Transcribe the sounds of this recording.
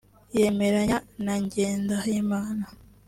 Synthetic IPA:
je̞me̞ɾaɲanaɲɟe̞ːndahimaːna

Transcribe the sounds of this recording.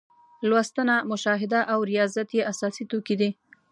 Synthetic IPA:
lwast̪ənamʊʃɑɦɪd̪aʔawɾijɑzat̪jeʔasɑsit̪okid̪i

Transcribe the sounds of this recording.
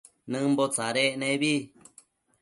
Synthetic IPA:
nɨ̃mbot͡saɾeʔnẽβi

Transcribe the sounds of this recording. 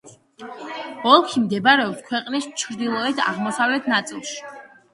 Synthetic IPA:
ɔlˠkʰimd̪ɛbaɾɛɔpskʰwɛqʼnist͡ʃʰɾd̪ilˠɔɛd̪a̰ʁmɔsavlɛt̪ʰnat̪sʼḭlˠʃi̥

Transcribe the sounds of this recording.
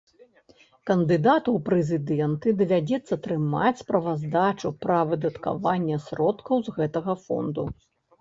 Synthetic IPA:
kɐnd̪ɨd̪at̪uwpɾɛzʲɨd̪ɛnt̪ɨd̪ɐvʲad͡zʲɛt̪sːɐt̪ɾɨma̰t͡sʲspɾɐvazd̪at͡ʂupɾɐvɨd̪ɐt̪ka̰vanʲːɛsɾɔt̪kɐwzɣɛt̪ɐɣɐfɔ̰nd̪u

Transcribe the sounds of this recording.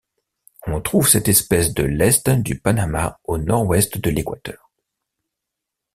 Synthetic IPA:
ɔ̃t̪χuvsɛt̪ɛspɛsd̪əlɛst̪d̪ypanamaonɔʁwɛst̪d̪əlekwat̪œːʁ

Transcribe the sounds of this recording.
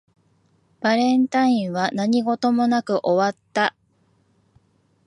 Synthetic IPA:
b̥aɾẽ̞nt̪aĩɰ̃βanaɲ̟iɡo̞t̪o̞mo̞nakɯ̟ʔo̞βat̪ːa

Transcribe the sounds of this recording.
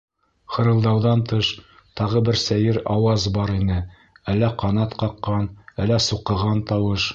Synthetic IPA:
qɤ̆ɾɤ̆lˠd̪ɑwðɑnt̪ɤʃ | t̪ɑʁɤbɘɾsæjɘɾɑwɑzbɑɾinɘ | ælːæqɑnɑt̪qɑqːɑnælːæsuqɤ̆ʁɑnt̪ɑwɤʃ

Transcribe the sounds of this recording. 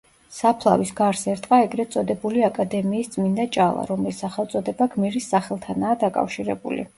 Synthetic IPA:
sapʰlˠa̰visɡaɾsɛɾt̪ʼqʼaɛɡɾɛt̪sʼɔd̪ɛbuliakʼad̪ɛmiːsd̪sʼmind̪at͡ʃʼalˠa̰ɾɔmlisaχɛlˠt̪sʼɔd̪ɛbaɡmiɾisːaχɛlˠt̪ʰanaːd̪akʼa̰fʃiɾɛ̰bṵlḭ

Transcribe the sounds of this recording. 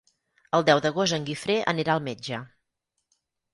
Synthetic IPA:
əlˠd̪ɛwðəɣ̞os̬t̪əŋɡifɾeʔə̰neɾaəlˠmed͡ʒə

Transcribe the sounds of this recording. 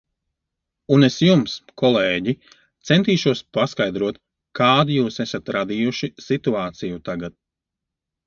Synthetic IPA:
unesjumskɔlˠeːɟi | t̪sent̪iːʃuɔspaskajd̪ɾuɔt̪ | kaːd̪juːsesat̪ɾad̪iːjuʃisit̪uaːt̪sijut̪aɡat̪̚

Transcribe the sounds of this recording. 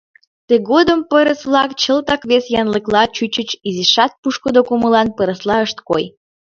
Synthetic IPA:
t̪eɣod̪əmpəɾəsβlˠɑkt͡ɕəlt̪ɑkβesjɑnləklɑt͡ɕyt͡ɕət͡ɕiziʃɑt̪̚puʃkod̪okoməlɑnpəɾəslɑəʃt̪koj

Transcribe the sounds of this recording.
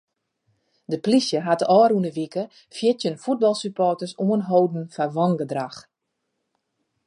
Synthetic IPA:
dəplisjəɦatɔːɾunəʋikə | fjɪtjənfut̚bɑlˠsypʰɔtəsumənɦowdn̩faʋɔŋɡədrax

